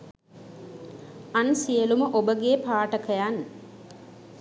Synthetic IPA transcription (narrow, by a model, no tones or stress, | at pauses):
ansijəluməʔobəɡeːpaːʈəkəjan